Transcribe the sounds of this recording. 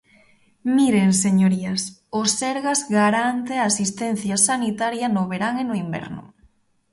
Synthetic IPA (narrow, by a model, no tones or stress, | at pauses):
miɾeŋseɲoɾias | osɛɾɣazɣaɾant̪eaːsist̪ɛnθjasanit̪aɾjɐnʊβeɾaŋenʊimbɛ̰ɾnʊ̰